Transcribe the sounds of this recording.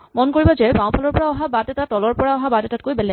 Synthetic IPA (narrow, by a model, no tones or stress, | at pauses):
mɔnkoɹibɔzɛpãw̃pʰɔlɔɹpɔɹaɔɦabatɛtatɔlɔɹpɔɹaɔɦabatɛtatkojbɛlɛ